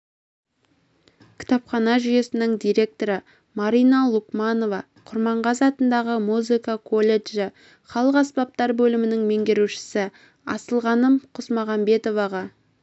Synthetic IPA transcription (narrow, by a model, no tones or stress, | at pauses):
kʲʰɪ̥t̪ɑpχɑnɑʒʏje̞sɪnɪŋd̪ijɾe̞k̚t̪o̞ɾə | mɑɾijnɑlˠʊkmɑno̞vɑ | qʰʊɾmɑɴʁɑzɑt̪ənd̪ɑʁəmuzɨkɑkʰo̞lʲe̞ʒɪ | χɑlˠəqɑspɑp̚t̪ɑɾbɵlɪmɪnɪŋme̞ŋɡʲeɾuʃɪ̥sɪ | ɑsəlˠʁɑnəmqʰʊsmɑʁɑmbe̞t̪o̞vɑʁɑ